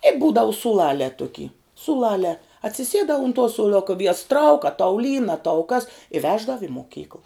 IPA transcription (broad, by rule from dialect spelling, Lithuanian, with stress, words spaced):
ɛ ˈbuːdɐʊ suːˈlˠɑːlʲɛː ˈtʊkʲiː suːˈlˠɑːlʲɛː ɐtʲsʲɪˈsʲiɛdɑː ʊn tuɔ suːˈlˠʊkɐ ˈʋʲiɛjɛs trɐʊk ɐ tɐʊ lʲiːn ɐ tɐʊ kɐs ɪ ˈʋʲæːʒdɐw ɪ moːˈkʲiːkəlˠ